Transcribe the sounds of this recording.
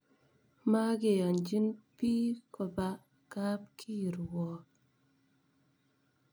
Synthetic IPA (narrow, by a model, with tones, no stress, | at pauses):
ma˦ɡe˨jɔ˨nd͡ʒi˦npi˦kɔ˧ba˦ | ka˦p̚kʰi˦˨ɾwɔ˨